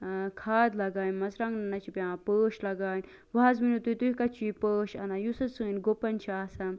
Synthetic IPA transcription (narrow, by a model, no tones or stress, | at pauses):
kʰaːd̪lɐɡaːnmɐzɾãŋɡnɐnɐt͡ʃʰipʲãːpəːʃlɐɡaːnʲ | ʋaːzminut̪uit̪uikat͡ʃiipəːʃɐnajusɐt͡sɨːnɡopɐnʲt͡ʃʰiaːsɐm